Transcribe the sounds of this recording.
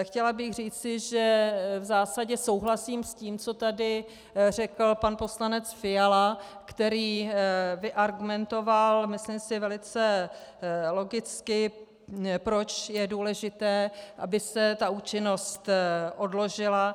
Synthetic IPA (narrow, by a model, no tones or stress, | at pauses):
xcɛlabɪɣr̝iːt͡sɪʒɛvzaːsaɟɛso̞wɦlasiːmsciːmt͡so̞t̪adɪ | rɛkl̩panpo̞slanɛt͡sfɪjalakt̪ɛɾiːvɪʔaɾɡumɛnt̪o̞valmɪslimsɪvɛlɪt͡sɛ | lo̞ɡɪt͡skɪ | pɾot͡ʃjɛduːlɛʒɪt̪ɛːʔa̰bɪsɛt̪auːt͡ʃɪno̞st̪ʔo̞dlo̞ʒɪla